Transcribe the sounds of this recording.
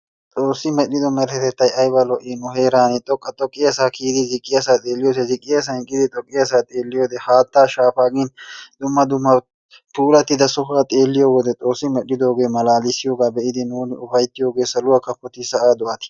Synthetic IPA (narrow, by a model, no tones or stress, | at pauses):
t̪ʼoːsːɪmɛɗɪd̪ɔmɛɾɛt̪ɛt̪ːɐjɐjbɐlɔʔiːnʊɦe̞ːɾaːnɪt̪ʼɔkʼːɐt̪ʼɔkʼːɪɐsaːkʰiːd̪ɪzɪkʼːɪɐsaːt̪ʼe̞ːlːɪjoːs̬ɛzɪkʼːɪjɐs̬ɐɪkʼːɪd̪ɪt̪ʼɔkʼːɪɐsaːt̪ʼeːlːɪjoːd̪ɛhaːt̪ːaːʃaːfaːɡɪnd̪̥ʊmːɐd̪ʊmːɐ | puːlɐt̪ːɪd̪ɐsɔfaːt̪ʼeːlːɪjoːwɔd̪ɛt̪ʼo̞ːsːɪmɛɗːɪd̪o̞ːɡe̞ːmɐlaːlɪsɪjoːɡaːbɛʔɪd̪ɪnuːnʊfɐjt̪ːɪjo̞ːɡe̞ːsɐlʊwakɐpːɔt̪ɪsɐʔaːd̪ʊʔɐt̪ɪ̥